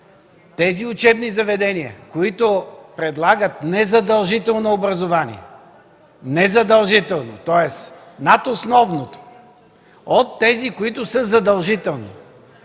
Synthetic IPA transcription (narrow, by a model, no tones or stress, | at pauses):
t̪ɛziʊt͡ʃɛbnizɐvɛd̪ɛniə̰koit̪ʊpɾɛd̪lˠaɡət̪nɛzɐd̪ɐlˠʒit̪ɛlˠnoːbɾɐzovanḭɛ̰ | nɛzɐd̪ɐlˠʒit̪ɛlˠno̰t̪ɔɛs | nat̪osnɔvnot̪o̥ | ot̪ːɛzikoit̪ʊsɤzɐd̪ɐlˠʒit̪ɛlˠni